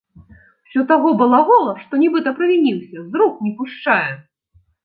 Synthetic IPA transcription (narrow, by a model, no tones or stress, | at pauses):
wsʲɔt̪aɣɔbɨlˠaɣɔlˠɐʂt̪ɔnʲibɨt̪ɐpɾɨvʲinʲiwsʲɐzɾuk̚nʲipuʂt͡ʂajɛ